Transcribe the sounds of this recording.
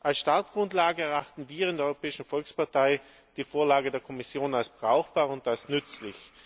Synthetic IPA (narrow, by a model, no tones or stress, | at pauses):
ʔalsʃtaɐtɡ̥ʁʊntlaːɡəɛɐaxtn̩viːɐɪndɛɐɔʏʁopɛːɪʃn̩fɔlkspaɐtaɪ | d̥iːfoːɐlaːɡədeːɐkʰɔmɪsjoːnalsb̥ʁaʊxb̥aːʁʊnt̚d̥asnʏt͡slɪ̰ç